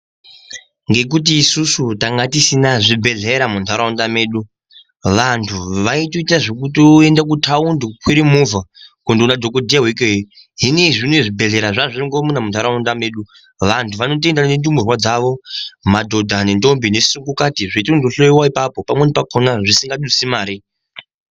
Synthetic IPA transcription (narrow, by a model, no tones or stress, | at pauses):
ŋɡe̞k̬ut̬iːsusutaŋɡatisinaʐibʱe̞ɮeɾamuntʰaɾaundameːɗu | ʋantʰuʋaitoitaʐek̬utoendak̬utʰaundukwiɾimuvakundiunadʱo̞kodʱijawek̬eji | ɦineʐineiʐibʱe̞ɮe̞ɾaʐaʐiriŋɡomunamuntaɾaundame̞ːɗu | ʋantʰuʋano̞t̬endanendumurwad͡zaʋo̞madʱo̞dʱanendo̞mbinesukukatiʐeitoundoɬojiwaipapopamwenipakʰonaʐisiŋɡaɗusimaːɾi